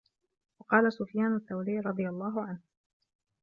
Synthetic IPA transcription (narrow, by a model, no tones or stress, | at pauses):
wɑqɑːlasʊfjaːnat̪ːawliːɾˤɑd̪ˤɨjalˤːɑːɦʊʕanh